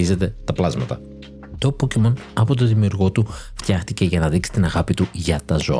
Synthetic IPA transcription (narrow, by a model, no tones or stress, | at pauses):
ize̞t̪e̞t̪ɐplɐzmɐt̪ɐ̰ | t̪opocimon | ɐpo̞t̪̬o̞ðimiuɾɣo̞t̪uft̪çɐxt̪ice̞ʝɐnɐðiksi̥t̪inɐɣɐpit̪uʝɐt̪ɐzo̞̰